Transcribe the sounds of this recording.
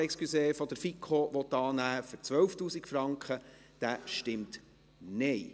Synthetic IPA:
ɛkskyseːfɔd̪əɾfikʰoʋɔt̪ːɑːnæːfʏɾt͡sʋœwftuːsikfɾɑŋkχə | d̪̥æːʃtɪmt | neɪ

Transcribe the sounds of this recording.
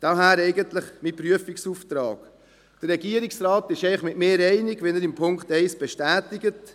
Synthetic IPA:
d̥ɑɦæːɾɛɪɡənt̪ləχmipɾyəfiksuːft̪ɾɑ̰ːɡ̥ | d̥ərːɛɡiəɾiksrɑːtɪʃɛɪχmɪtmeːɾɛɪnɪɡʋɪnəɾɪmpʰʊŋkχtɛɪsb̥ɛʃtæːtɪɡət

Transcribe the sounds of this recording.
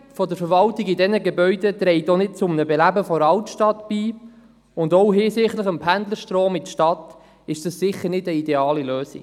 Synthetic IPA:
fɔdəɾfəɾʋɑltiɡɪdɛnəɡebœʏdət̪ɾɛɪtonɪt̚t͡sʊmnəbelæbəfɔɾɑwtʃtɑtb̥iː | ʊndɔwɦɪsɪχtləχəmpʰændləɾʃtɾoːmɪtʃtɑt | ɪʃd̥ɑssɪχːəɾnɪdəideɑːliløːsḭ̥

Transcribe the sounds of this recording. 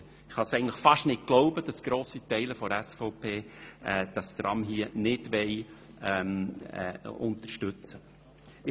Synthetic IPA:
ɪχhɑsɛɡŋn̩tləχfɑʃtnɪt̚ɡ̥loʊbəd̥ɑsɡ̥ɾoːsitɛɪləfɔɾɛsfɔʊpʰeːɛd̥ɑst̪ɾʔɑ̰mɦiənɪdʋɛɪ | ɛmː | ʊnt̪əʃtʉt͡sə

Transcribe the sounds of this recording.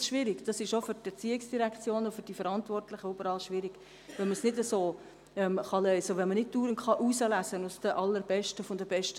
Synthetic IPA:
ʃʋɪɾɪkd̥ɑsɪʃofʏɾtɛɾt͡siːɪksd̥iɾækt͡sjoːnʊfʏɾd̥ifəɾɑntvɔrtlɪχəybəɾɑːlʃʋɪɾiɡ̥ | ʋɛlməsnɪdəsoː | ɛmχɑlœʏsəʋɛnmənɪd̚d̥uːɾənχɑʔuːsəlæsənʊsd̥əʔɑlːəɾb̥ɛʃtəfʊndəbɛʃtə

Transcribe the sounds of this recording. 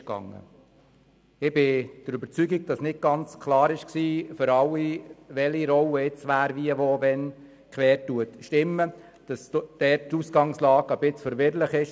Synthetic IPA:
kɡ̥ɑ̰ŋːə̰ | ɪb̥ɪd̥əɾybəɾt͡syɡiɡ̚d̥ɑsnɪt̚ɡ̥ɑnt͡skʰlɑːɾɪʃksiːfʏɾɑlːiʋɛliɾɔwəɪt͡sʋæːɾviəʋoːvɛn | kʰʋɛːɾtːuətʃtɪmːə | d̥ɑsd̥ɛttusɡɑŋslɑːɡəbɪt͡sfəɾʋɪɾləχɪʃ

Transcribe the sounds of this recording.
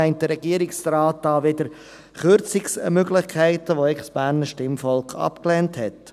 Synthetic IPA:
ɛɪntdəɾɛɡ̥iəɾɪksɾaːtːɑːʋɪd̪əɾ | χøɾt͡sɪksmøɡlɪχkʰæɪtəʋoɛχsb̥æːɾnəʃtɪmfɔlkχɑ̰pklɛːnthɛt

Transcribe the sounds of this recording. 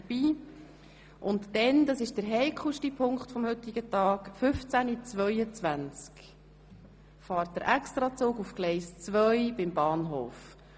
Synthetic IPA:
əb̥iː | ʔʊntdɛnd̪ɑsɪʃd̥əɾɦɛɪkʰuʃtipʰʊŋkχtfɔmhɵt̪ːɪɡ̥ətɑːkfʏft͡sænit͡svœjət͡svʋænt͡sk | fɑːɾt̚d̥əɾʔɛkst̪ɾɑt͡suːɡufklɛɪst͡sʋœjb̥ɪmbɑːnɦoːf

